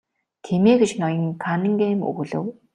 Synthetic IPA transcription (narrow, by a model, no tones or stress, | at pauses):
t̪ʰemeːɡet͡ɕnɔjə̆ŋkʰanə̆ŋɡeːmṵɣ̆ɮɘ̰̆w